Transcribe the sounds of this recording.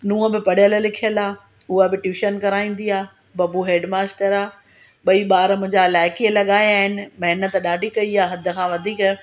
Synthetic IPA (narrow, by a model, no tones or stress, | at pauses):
nũːə̃bɪpɐɽjəllɪkʰijəlaː | ʊɦabɪʈjuːʃənkɐɾaːĩːn̆d̪iaː | bɐbuɦeːɖmaːsʈəɾaː | ɓɐiɓaːɾəmʊ̃ɲd͡ʑalaːɪkielɐɠaːjaːɦɪnɪ̆mɐɦɪnət̪ɗaːɖʱikɐiaːɦɐd̪ʱʊ̆kʰãːʋɐd̪ʱiːk